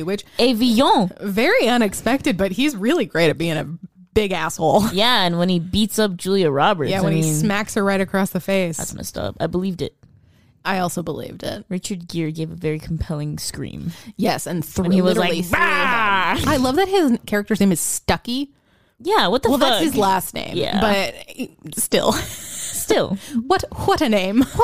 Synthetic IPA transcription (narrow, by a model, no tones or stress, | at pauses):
wɨt͡ʃeɪvijɔ̃vɛɹiʌ̃nɨkspɛk̚tɨd̚bʌt̚hizɹɪlˠiɡɹeɪɾɨt̚b̥iɪ̃ŋɨ̰ | b̥ɪɡæsholˠjæɨ̃nwə̃nibitsʌp̚d̥ʒ̥ʉlˠjɨɹɑbə˞jæwə̃nismækshə˞ɹaɪɾɨkʰɹ̥ɔsðɨfeɪsæ̰tsma̰ɪstʌ̰pa̰ɪbəlivdɪ̰t̚ | ʔaɪɔlˠsoʊbəlḭvdɪ̰t̚ɹɪt͡ʃə˞d̚ɡɪɹɡeɪvəvɛɹikʰm̩pʰɛlˠɪ̃ŋskɹḭ̃mjɛsɨ̃nθɹ̃niwʌzlaɪib | aɪlʌvðɨt̚hɪzkʰɛɹɨk̚tə˞znẽɪ̃mɨz̥stʌki | jæwʌt̪̚ðwɛlˠðæʌshɨzlæstⁿnḛ̃ɪ̃jæ̰b̥ʌt̚stɪ̰lˠstɪlˠwʌtwʌɾɨnẽɪ̃m